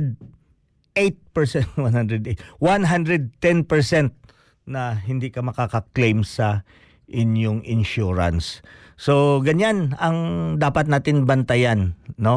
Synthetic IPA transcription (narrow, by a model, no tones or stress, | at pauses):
d̪̚ | ʔejt̪̚pɛɹsɛwanhand̪ɾɛd̪ejt̪wanɦand̪ɾɛd̪̚t̪ɛnpɛɹsɛnt̪̚ | nɐɦɪnd̪ikɐmɐkakɐklejmsɐ | ʔɪnjoŋɪnʃuːɹɐ̰nsː | oɡɐɲanɐŋd̪aːpɐt̪̚naːt̪ɪnbɐnt̪ɐjanːo̞